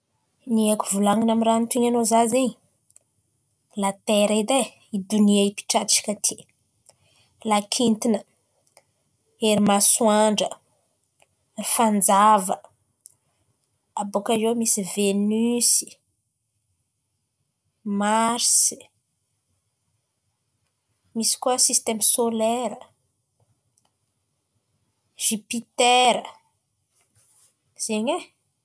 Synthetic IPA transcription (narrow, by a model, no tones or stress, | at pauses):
niakuvulaŋinamiɾant̪uiɲanozaziɲi | lat̪eɾaid̪e | id̪uniaipi̥ʈ͡ʂat̪t͡ʃi̥kat̪ʰi̥ | lakʰint̪inə | eɾimaswaɳɖ͡ʐə | rifand͡zavə | abokazemisivenysi̥ | maɾsi̥ | misi̥kuəsist̪emsoleɾə | ʒ̥ipit̪eɾə | z̥eɲe